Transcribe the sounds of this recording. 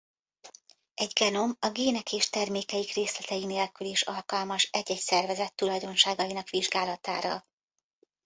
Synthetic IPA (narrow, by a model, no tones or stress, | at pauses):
ɛɟɡɛno̞mɒɡeːnɛkeːʃt̪ɛrmeːkɛjikreːslɛt̪ɛjineːlkyleːʃɒlkɒlmɒʃɛɟɛcsɛrvɛzɛt̪ːulɒjd̪o̞nʃaːɡɒjinɒkʋiʒɡaːlɒt̪aːɾɒ̰